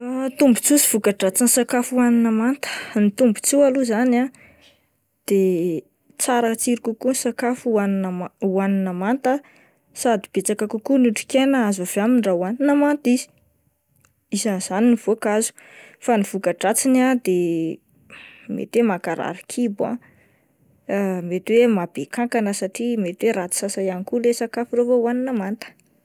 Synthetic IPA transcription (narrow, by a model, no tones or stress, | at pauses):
t̪umbu̥t͡susi̥v̥ukaʈ͡ʂat͡sinisakafuaninəmant̪ə̥nit̪umbu̥t͡siwaluzana | d̪̥e | t͡saɾat͡siɾikukunsakafuannuaninəmant̪ə | sad̪ib̥et͡sakakukunuʈ͡ʂi̥kenəazavaminrawaninəmant̪izi̥ | izanz̥aniniv̥okazu̥ | faniv̥ukaʈ͡ʂat͡sinad̪e | mḛt̪wemakaɾa̰ɾikʰibã̰ | met̪wemabekaŋkanəsaʈ͡ʂimet̪weɾat͡si̥sasajanikulesakafurovouwaninəmant̪ə̥